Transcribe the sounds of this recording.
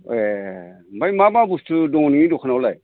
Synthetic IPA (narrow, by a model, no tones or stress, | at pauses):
e | majmababustʰɯdɔŋniŋidɔkʰanawlaj